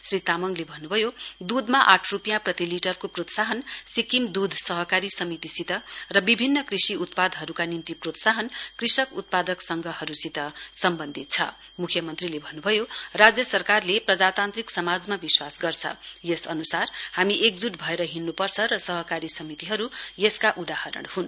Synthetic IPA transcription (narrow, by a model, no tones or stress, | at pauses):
srit̪amʌŋlebʱʌnːubʱʌjod̪ud̪ʱmaʔaʈʰrupjãprʌt̪iliʈʌrkoprot̪saɦʌnsikimd̪ud̪ʱsʌɦʌkaɾisʌmit̪isit̪ʌrʌbibʱinːʌkrisiut̪pad̪ʱɦʌɾukanimt̪iprot̪saɦʌnkrisʌkut̪̚pad̪ʌksʌŋɡʱʌhʌɾusit̪ʌsʌmbʌnd̪ʱit̪̚t͡sʰʌ̰ | mukʰjʌmʌnt̪rilebʱʌnːubʱʌjorad͡zjʌsʌrkarleprʌd͡zat̪ant̪riksʌmad͡zmabiswasɡʌrt͡sʰʌ̰jesʌnusarhamiʔek̚d͡zuʈbʱʌeɾʌɦinːupʌrt͡sʰʌɾʌsʌɦʌkaɾisʌmit̪iɦʌɾujeskaʔud̪ahʌɾʌ̰ɽhun